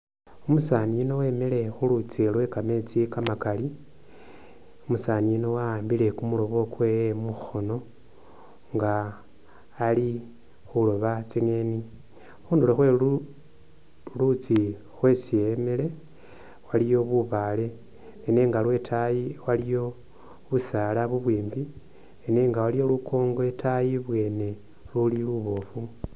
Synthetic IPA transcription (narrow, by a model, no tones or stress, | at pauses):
omusaniino̞we̞ːmele̞xulut͡silwe̞kame̞t͡sikamakali | omusaniino̞waaːmbile̞kumulo̞βo̞kwe̞jemuxo̞no | ŋɡaː | li | xulo̞βat͡siŋe̞ni | xuːnduloxweu | lut͡si | xwe̞sije̞mele̞ | walijo̞βuβale̞ː | neːŋɡalwe̞tʰajiwalijo̞ | βusalaβuβweːmbi | eneːŋɡawalijo̞lukʰo̞ːŋɡoetʰajiβwe̞ːne̞ | luliluβo̞ːfu